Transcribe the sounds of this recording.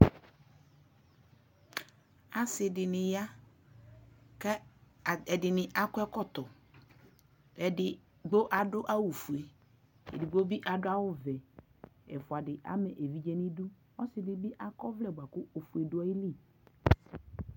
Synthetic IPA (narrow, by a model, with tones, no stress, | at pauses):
a˦sɪ˨dɪ˨nɪ˨ja˦ | kɛ˦˨ | ɛ˨dɪ˨nɪ˨ʔa˦kʊ˦ɛ˦kɔ˦t̪ɔ˨ | ɪ˨ | ɡ͡bo˦ʔa˨dʊ˦ʔa˦wu˨fu˨e˨ | ḛ˨dɪ˨ɡ͡bo˦bi˦ʔa˨dʊ˦a˦wʊ˦vɛ˨ɛ̰˨fʊ˨a˨dɪ˨ʔa̰˦mɛ˨ʔe˨vi˨˦d͡ʒɛ˦nɪ˦dʊ˦ | ɔ˦sɪ˨dɪ˨bɪ˦ʔa˦kɔ˦vlɛ˦˨ba˨kʊ˦o˨fu˨e˨dʊ˨˦a˦i˦li˦˨